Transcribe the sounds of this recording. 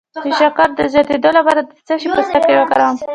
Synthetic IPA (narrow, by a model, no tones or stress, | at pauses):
d̪əʃakɑɾd̪əzjɑt̪ed̪olapɑɾad̪ət͡səʃipəst̪akewəkaɾam